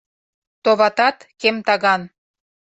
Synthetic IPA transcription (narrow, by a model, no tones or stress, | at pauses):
t̪oβɑt̪ɑt̪kemt̪ɑɣɑn